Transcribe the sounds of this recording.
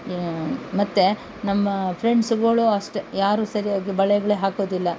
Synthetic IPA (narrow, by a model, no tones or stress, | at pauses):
mɐt̪ːe | nɐmːɐpʰɾeɳɖsuɡɐɭuɐʂʈjaːɾuːsɐɾijaːɡibɐɭɐjɡɐɭeːɦaːkoːd̪ilːɐ